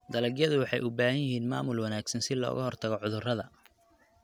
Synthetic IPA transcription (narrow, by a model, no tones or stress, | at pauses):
d̪ɐlɐɡjɐðʊwɑħɑjʔʊbaːhɐjɪhiːnma̰ːmʊlwɐnaːɡsɐnsɪlɔ̰ːɣɐɦɔrt̪ʰɐɣɔʕʊðʊrɐðɐ